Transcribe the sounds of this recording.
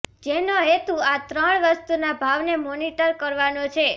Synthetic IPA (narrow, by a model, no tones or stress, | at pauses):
d͡ʒenoɦet̪uat̪ɾəɳʋəst̪unabʱaʋnemoniʈəɾkəɾʋanot͡ʃʰe